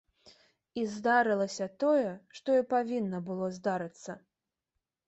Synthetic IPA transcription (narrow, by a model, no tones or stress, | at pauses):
izd̪aɾɨlˠɐsʲɐt̪ɔjɛʂt̪ɔipavʲinːɐbɨlˠɔzd̪aɾɨt̪sːɐ